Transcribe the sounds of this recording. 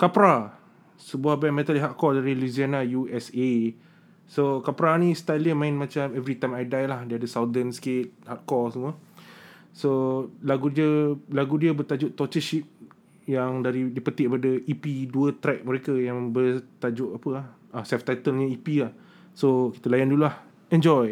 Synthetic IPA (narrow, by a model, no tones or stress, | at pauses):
kapɾa | səbuahbɛ̃ŋmɛt̪aliɦat̪̚kɔldaɾiluzianajuɛse | sokapɾanĩst̪aləmãɪ̃nmat͡ʃamɛvɾit̪ãjmajdajlahdiəadəsawdənsket̪̚hat̪̚kɔsəmuə | solaɡudiəlaɡudiəbət̪ad͡ʒʊʔt̪ɔt͡ʃəʃip̚ | jaŋdaɾidipət̪iʔpadəʔipiduət̪ɾɛk̚mə̃ɾekajaŋbət̪ad͡ʒʊʔapəahʔasɛft̪ajt̪əlɲəipilah | soki̥t̪əlajandululah | ɛnd͡ʒɔj